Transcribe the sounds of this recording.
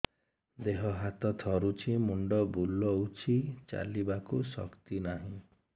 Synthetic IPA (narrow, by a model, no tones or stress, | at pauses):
d̪eɦɔɦat̪ɔt̪ʰɔɾut͡ʃʰimuɳɖɔbulɔut͡ʃʰit͡ʃa̰libakusɔ̰kt̪inaɦĩ